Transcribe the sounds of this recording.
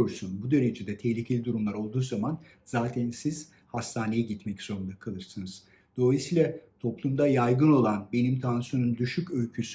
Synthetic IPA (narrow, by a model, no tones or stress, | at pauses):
oɾsunbud̪e̞ɾe̞d͡ʒed̪ɛt̪ʰɛhlʲicʰelʲid̪uɾumlˠaɾo̞lˠd̪uːzaman | z̥aːt̪ʰænsiz̥ | hast̪ʰaːne̞jɛɟit̪mɛcz̥o̞ɾund̪akʰalˠɯɾsɯnɯz̥ | d̪̥o̞lˠajisiːlʲˠat̪ʰo̞plˠumd̪ajajɡɯno̞lˠanbe̞nimt̪ʰansijo̞nund̪yʃycølcʰysy